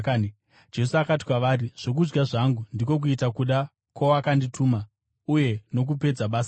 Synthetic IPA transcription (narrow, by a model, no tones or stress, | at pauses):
d͡ʒe̞suakati̥kwaʋaːriʐ̥o̞k̬ud͡ʒɡaʐaŋɡundik̬o̞k̬uitakuɗa | kwawakanditʰuːma | uje̞no̞k̬upe̞d͡zaɓaːsa